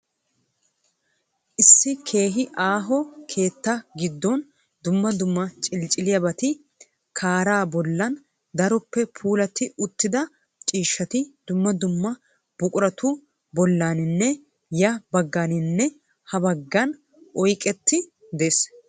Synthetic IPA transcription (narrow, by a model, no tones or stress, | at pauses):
ʔɪsːɪkʰe̞ːɦɪʔaːɦɔkʰe̞ːt̪ːɐɡɪd̪ːɔn | d̪ʊmːɐd̪ʊmːɐt͡ʃʼɪlt͡ʃʼɪlɪjɐbɐt̪ɪ | kʰaːɾaːbɔlːɐn | d̪ɐɾɔpːɛpʰuːlɐt̪ːɪʔʊt̪ːɪd̪ɐ | t͡ʃʼiːʃːɐt̪ɪd̪ʊmːɐd̪ʊmːɐ | b̥ʊkʼʊɾɐt̪ʊ | bɔlːaːnɪnːɛ | jɐbɐɡːaːnɪnːɛ | hɐbɐɡːɐn | ʔɔjkʼɛt̪ːɪ | d̪e̞ːs